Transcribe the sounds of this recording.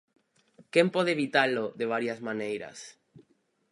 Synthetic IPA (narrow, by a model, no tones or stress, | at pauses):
kempoðeβit̪aloðeβ̞aɾjazmanejɾa̰s